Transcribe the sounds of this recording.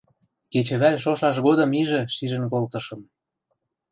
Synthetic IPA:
ket͡ɕə̆βælʲʃoʃɑʃ̬ɣod̪ɤ̆miʒĕʃiʒə̆nkolt̪ɤ̆ʃɤ̆m

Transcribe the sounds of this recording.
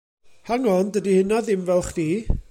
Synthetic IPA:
haŋɔndədihɪnaðɪmvɛlˠχdiː

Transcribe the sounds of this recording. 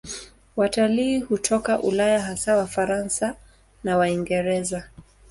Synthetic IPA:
wataliːhutʰɔkaʔṵlajaɦasawafaɾansa | nawaiŋɡɛɾɛza

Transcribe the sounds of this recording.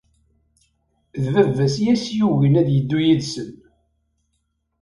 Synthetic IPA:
ðvəvːæsjæsjuʝənæðjəd̪ːujiðsən

